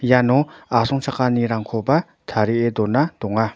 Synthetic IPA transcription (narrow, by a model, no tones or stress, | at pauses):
janoʔasʰoŋt͡ɕʰakːaniɾaŋkʰopa | t̪ʰaɾiʔed̪onːat̪oŋːa